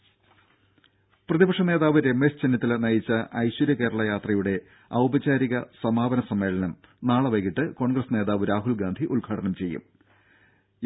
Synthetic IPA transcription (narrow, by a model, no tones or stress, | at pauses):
prɐðibɐkʂɐne̞ːðaːʋɨɾe̞mːest͡ɕenːɐt̪ːilnɐjit͡ɕːɐʔɐjɕwɐɾjɐke̞ːɾɐɭɐjaːt̪rɐjuɽe̞ | ɐwbɐt͡ɕaːɾiɣɐsɐmaːbɐnɐsɐmːe̞ːɭɐnɐmnaːɭɐʋɐɣiʈːɨko̞ːɳɡrɐsne̞ːðaːʋɨɾaːɦulɡaːnd̪ʱiʔuɭɡʰʱaːʈʰɐɳɐmt͡ɕe̞jːṵm